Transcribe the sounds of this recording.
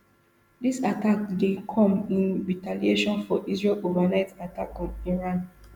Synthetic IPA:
disatakdekʰɔ̃mĩnɹitalieʃɔ̃nfɔʔisɹelovanaɪtatakɔ̃niɹãn

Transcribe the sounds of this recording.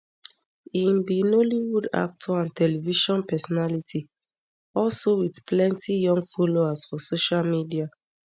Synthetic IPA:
inbinoliwuda̰k̚tʰɔãntʰɛlɛviʃɔ̃npɛsɔnalitʰi | ɔlsowidplɛ̃ntʰijɔ̃ŋɡfoloasfɔsoʃalmidia

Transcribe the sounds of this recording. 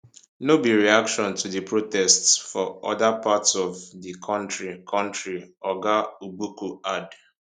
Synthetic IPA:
nobiɹiakʃɔ̃ntʰudipʰɹotɛstsfɔʔɔ̰dapatsɔvdikʰɔ̃ntɹikʰɔ̃ntɹiɔɡaubukuad

